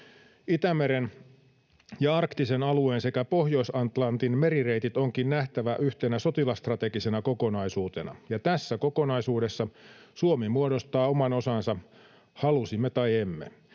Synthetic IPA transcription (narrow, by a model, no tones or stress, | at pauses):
it̪æmeɾen | jɑɑrkt̪isenɑlueːnse̞kæpohjoisɑnt̪lɑnt̪inmeɾire̞it̪it̪oŋkinnæht̪æʋæʔyht̪enæso̞t̪ilɑst̪rɑt̪e̞ɡise̞nɑko̞ko̞nɑisuːt̪e̞nɑ̰jɑt̪æsːæko̞ko̞nɑisuːde̞sːɑsuomemuodo̞st̪ɑːomɑno̞sɑnsɑ | hɑlusimːet̪ɑjemːḛ